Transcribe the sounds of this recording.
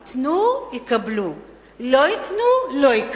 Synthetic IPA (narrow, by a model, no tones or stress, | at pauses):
t̪nuikɐblu | loit̪nuloik